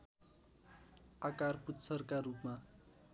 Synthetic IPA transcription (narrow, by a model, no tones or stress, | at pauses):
akarputt͡sʰʌrkarupma